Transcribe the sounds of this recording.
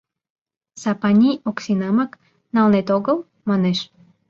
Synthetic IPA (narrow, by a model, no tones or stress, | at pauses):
sɑpɑnʲioksinɑmɑk | nɑlnet̪oɣəl | mɑneʃ